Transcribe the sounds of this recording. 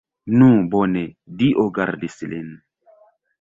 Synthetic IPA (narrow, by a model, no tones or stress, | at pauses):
nũbonediʔoɡaɾdislin